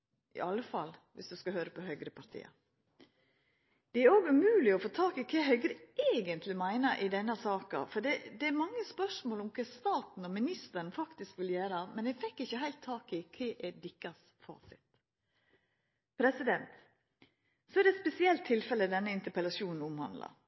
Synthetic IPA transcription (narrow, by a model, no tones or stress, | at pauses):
ʔɪ̰ʔɑlːəfɑ̰lʋʔɪ̰sd̪ʉskɑhøːɾəpʰɔhœɡɾəpʰɑɾt̪ʰḭːɑ̰ | d̪̥ɛæɾoːɡʉmʉːlɪɔfoːt̪ʰɑːkɪkʰeɦœʏɡɾəeːɡənt̪ʰlɪmæɪnəɾʔɪd̪ɛnːəsɑːkɑ̰fɔɖ̪ɛd̪ɛæɾmɑŋːəspœʂmoːlɔmkʰɛst̪ɑːt̪n̩ɔmɪnɪst̪əɾnfɑkt̪ɪskʋɪljæːɾəmɛnɛfɛkːɪçːəɦæɪlt̪ʰːɑːkɪkʰeːʔɛd̪ɪkːɑs | fɑ̰ːsɪt̪ | pʰɾɛsɪd̪ɛnt̪ | sɔɛɖɛt̪spɛsɪɛlt̪ʰːɪlfɛləd̪ɛnːəɪnt̪əɾpɛlɑʂuːnn̩ʊmhɑ̰nd̪lɑ̰